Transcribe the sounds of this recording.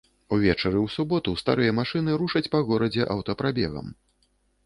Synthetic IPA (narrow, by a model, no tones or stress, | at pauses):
uvʲɛt͡ʂɐɾɨwsubɔt̪ust̪a̰ɾɨjɐmaʂɨnɨɾuʂɐt͡sʲpɐɣɔɾɐd͡zʲɛʔɐwt̪ɐpɾabʲɛ̰ɣɐ̰m